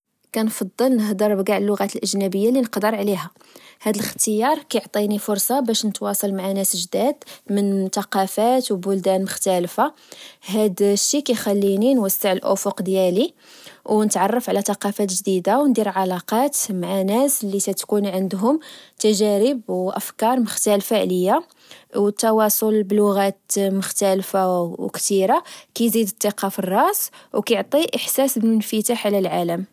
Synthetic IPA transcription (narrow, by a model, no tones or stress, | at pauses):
kænfɑd̪ˤːəlnəɦd̪əɾˤbɡaʕəlːʊɣæt̪əlʔæʒnæbəjːalinəqd̪əɾˤʕliɦæ | hæd̪ələxt̪əjɑɾˤkæjoʕt̪ˤinifʊɾsˤɑbæʃnət̪wɑsˤɑlmaʕanæsʒd̪æd̪mənt̪ˤɑqɑfæt̪wbʊld̪ænmʊxt̪ælfa | hæd̪ʃːikæjxælːininwəsːəʕəlʔʊfʊqd̪jæli | wnət̪ʕɑrˤːɑfʕlæt̪ɑqɑfæt̪ʒd̪id̪awnd̪iɾlʕɑlɑqɑt̪maʕanæslːisæt̪kunʕənd̪ɦʊmt̪æʒæɾəbwʔəfkɑɾˤməxt̪ælfaʕləjːa | wət̪ːɑwɑsˤolblʊɣæt̪məxt̪ælfawkt̪iɾakæjzid̪ət̪ˤːiqɑfirˤːɑswkæjʕt̪ˤiʔəħsæsbəənfət̪aħʕlælʕaləm